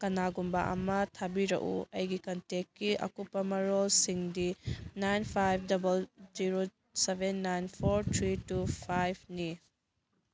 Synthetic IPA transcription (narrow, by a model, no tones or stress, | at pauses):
kɐnaɡumba̰ʔɐ̰mɐtʰabiɾɐ̰ʔuɐjɡikɐntekːiʔɐ̰kupːɐmɐɾolsiŋdinajnpʰajp̚ʰdɐbɐld͡ʒiɾo | sebʱenːajnpʰoɾtʰɾitupʰajb̚ʰni